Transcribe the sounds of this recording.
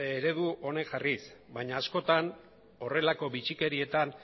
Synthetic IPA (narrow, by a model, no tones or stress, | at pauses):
eɾe̞ðuʔo̞ne̞ŋʝarisbaɲaːsko̞t̪an | o̞re̞lako̞βit͡ʃike̞ɾie̞t̪an